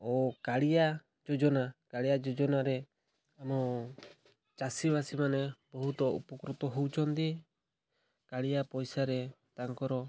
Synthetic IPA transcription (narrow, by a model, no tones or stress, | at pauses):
ɔkaɽija | d͡ʒɔd͡ʒɔnakaɽijad͡ʒɔd͡ʒɔnaɾɛ | amɔ | t͡ʃasibasimanɛbɔɦut̪ɔṵpɔkɾut̪ɔɦuwt͡ʃʰɔnd̪i | kaɽijapɔjsaɾɛ | t̪aŋkɔɾɔ